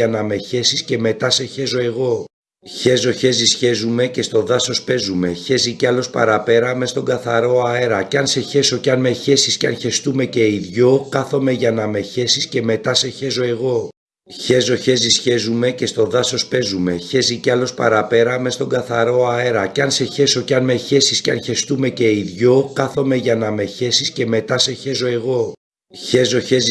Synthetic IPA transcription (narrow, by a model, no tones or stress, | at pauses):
ɐnɐme̞çe̞sisce̞me̞t̪ɐse̞çe̞zo̞e̞ɣo̞ | çe̞zo̞çe̞zisçe̞zume̞ce̞st̪oðɐso̞spe̞zume̞çe̞ziceɐlo̞spɐ̰ɾɐpe̞ɾɐme̞st̪o̞ŋɡɐθɐɾo̞ɐeɾɐcɐnse̞çe̞so̞ceɐnme̞çe̞sisceɐnçe̞st̪ume̞ce̞iðʝo̞kɐθo̞me̞ʝɐnɐme̞çe̞sisce̞me̞t̪ɐse̞çe̞zo̞e̞ɣo̞ | çe̞zo̞çe̞zisçe̞zume̞ce̞st̪o̞ðɐso̞spe̞zume̞çe̞ziceɐlo̞spɐ̰ɾɐpe̞ɾɐme̞st̪o̞ŋɡɐθɐɾo̞ɐeɾɐceɐnse̞çe̞so̞ceɐnmeçe̞sisceɐnçe̞st̪ume̞ce̞iðʝo̞kɐθo̞me̞ʝɐnɐme̞çe̞sisce̞me̞t̪ɐse̞çe̞so̞e̞ɣo̞ | çe̞zo̞çez